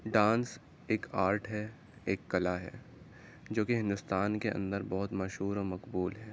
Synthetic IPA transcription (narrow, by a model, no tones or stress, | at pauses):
ɖãːns | eːkʰaːɾʈʰɦɛ | eːkːɐlaɦɛ̰ː | d͡ʒoːkeɦɪ̃nd̪ʊst̪aːnkeɐ̰̃nd̪əɾbɔɦʊt̪mɐʃɦuːɾɔːɾmɐqbuːlɦɛː